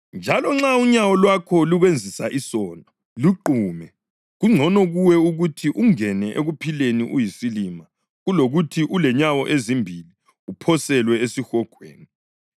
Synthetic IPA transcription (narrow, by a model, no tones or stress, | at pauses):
nd͡ʒʱalɔŋ͡ǁauɲawɔlwakʰɔluɣwend͡zʱisaʔisɔːnɔ | luǃuːmɛ | ɣuŋ͡ǀʱɔnɔɣuwɛuɣutʰiʔuŋɛnɛʔḛɣupʰilenḭʔujisilima | ɣuloɣutʰiʔulɛɲawɔ̰ʔezimbʱili | upʰɔsɛlwɛesixɔɡ̥ʱwḛːni